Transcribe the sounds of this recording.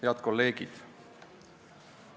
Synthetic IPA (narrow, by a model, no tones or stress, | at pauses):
eɑd̪̥ko̞lːe̞ːɡ̥id̪̥